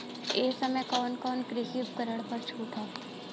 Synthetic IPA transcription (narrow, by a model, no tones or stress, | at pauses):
eːsɐməjkɔːnkɔːnkɾɪɦip̚kəɾəɽpɐɾt͡ʃʰuːʈʰaː